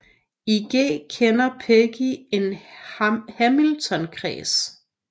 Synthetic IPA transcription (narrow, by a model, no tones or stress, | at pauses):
iɡ̥ḛːkʰenɐpʰeɡ̥ie̝n | hæmilt͡sʰɒ̽nkʰʁɛ̰ːs